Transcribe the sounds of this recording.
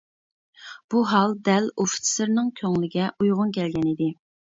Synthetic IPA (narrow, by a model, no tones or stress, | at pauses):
b̥uɦɑlˠd̪ɛloft̪sɪɾnɪŋkʲʰøŋlɪɡʲɛʔujʁʊnkʲʰɛlɡʲɛnid̪ɪ